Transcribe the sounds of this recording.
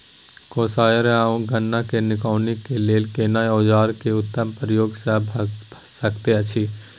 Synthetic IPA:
koːsaːjəɾeaːũɡʱənːakenɪkaːnikeleːlkeːnaːjoːd͡ʒaːɾkeʊt̪ːəmpɾəjoːɡsəbʱbʱsəkt̪eɐt͡ʃʰi

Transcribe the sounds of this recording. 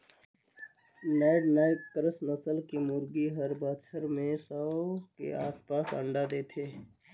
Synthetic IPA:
naɪɖnaɪkəɾəsnəsəlkemʊɾɡiɦəɾbət͡ʃʰəɾmẽsəkḛaːspasə̰ɳɖad̪et̪ʰe

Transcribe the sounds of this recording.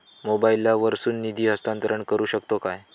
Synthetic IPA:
mobailːaʋəɾsuːnːid̪ʱiːɦəst̪ant̪əɾəɳkəɾuːɕəkt̪okaj

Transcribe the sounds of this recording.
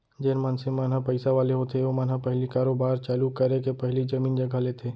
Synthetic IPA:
d͡ʒɪnmansemaːnɦapəɪsaʋaːleɦot̪ʰeʋomaːnɦapɛɦlikaːɾoːbaːɾt͡ʃaːlukɐɾekepɛɦlid͡ʒɐmiːnd͡ʒɐɡʱalet̪ʰeː

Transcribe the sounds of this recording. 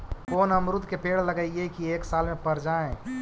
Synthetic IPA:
koːnɦəmɾʊd̪ʱkepeːɽləɡaiekieːksaːlmẽpəɾd͡ʒaːẽ

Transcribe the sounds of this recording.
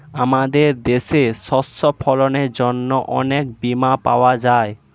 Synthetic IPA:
amad̪eɾd̪eʃesɔsːopʰɔloneɾd͡ʑonːoʔɔ̰nekbimapa̰oad͡ʑae

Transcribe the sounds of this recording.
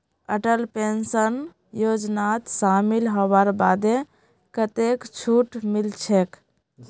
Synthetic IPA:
əʈəlpensən | jod͡ʒnat̪samilɦɔbaɾbad̪e | kət̪ekt͡ʃʰuʈmilt͡ʃʰek

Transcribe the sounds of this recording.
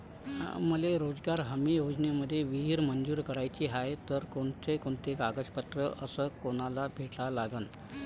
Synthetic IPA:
muleɾod͡zɡaɾɦəmijod͡zneməd̪ʱːjeʋiɦiːɾmənd͡zuːɾkəɾajt͡ɕiːɦajt̪əɾkoɳt̪ekoɳt̪ekaɡəd͡zpət̪ɾəʔəsəːkoɽ̃alabʱeʈlalaɡən

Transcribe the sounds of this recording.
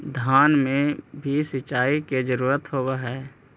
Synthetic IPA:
d̪ʱaːnmẽbʱisɪt͡ʃːaːiked͡ʒəɾuːɾət̪ɦoːwaɦɛː

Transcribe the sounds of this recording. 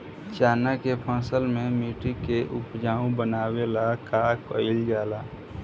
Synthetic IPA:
t͡ʃaːnakepʰə̃ːsəlmẽmiːʈikeʔʊpd͡ʒaːũbənaːwelakakəɪlɡaːlaː

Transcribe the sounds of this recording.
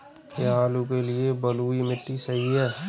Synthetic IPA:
keaːlukelɪebɐluːimɪʈːisɐɦiɦɛː

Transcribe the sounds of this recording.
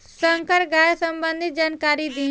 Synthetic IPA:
sə̃ŋkəɾɡaːjsəmbə̃nd̪ʱɪt̪̚d͡ʒaːnkaːɾid̪ĩː

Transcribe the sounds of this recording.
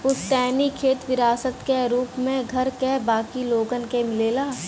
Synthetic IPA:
pʊsʈɛːnikʰeːt̪ʋɪɾaːsət̪keɾuːpmẽɡʱɐɾkebaːkiloːɡənkemɪleːlaː

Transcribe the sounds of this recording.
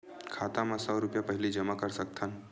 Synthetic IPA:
kʰaːt̪amasɔːɾʊpjapəɦɪlid͡ʒəmakəɾsək̚t̪ʰan

